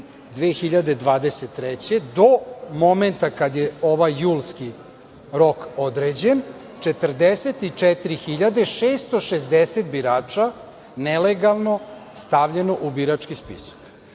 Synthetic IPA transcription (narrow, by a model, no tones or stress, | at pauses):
d̪ʋeːxiʎad̪e̞d̪ʋaːd̪eset̪ːɾet͡ɕe̞d̪omo̞ment̪akad̪jeo̞ʋajːuːlski | ɾo̞ko̞d̪ɾed͡ʑen | t͡ʃet̪rd̪eset̪it͡ʂɛt̪iɾixiʎad̪eʃeːst̪oʃezd̪eset̪biɾaːt͡ʂa | neleɡalˠno̞st̪aʋʎeno̞ʔubiɾat͡ʂkispḭsḁk